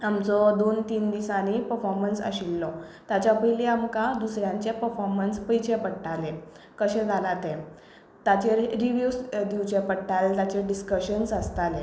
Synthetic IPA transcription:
amt͡sɔd̪ont̪iːnd̪isañipəɾfɔɾmənsə̰ɕilːɔ | t̪at͡ɕapəjleamkãd̪usɾjãɲt͡ɕepəɾfɔɾmənspəjt͡ɕepəɽʈale | kəɕɛ̃d͡zʱalat̪ẽ | t̪at͡ɕeɾiʋjusd̪iwt͡ɕepəɽʈalt̪at͡ɕeɖiskəɕənsəst̪ale

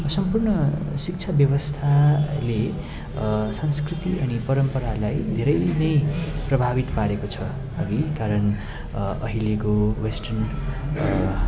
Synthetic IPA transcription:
sʌmpurnʌsik̚t͡sʰabjʌwʌst̪ʰale | sãnskrit̪iʔʌnipʌɾʌmpʌɾalajd̪ʱeɾʌjnʌjprʌbʱabit̪paɾekot͡sʰʌ | ʌɡikaɾʌn | ʌɦilikowesʈʌrn

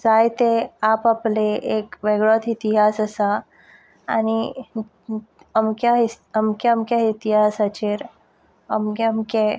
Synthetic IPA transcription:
sajt̪eapapleʔekʋeɡɭɔt̪ʰit̪iɦasəsa | añi | əmkai | əmkaəmkjait̪iɦasat͡ɕeɾ | əmkeəmke

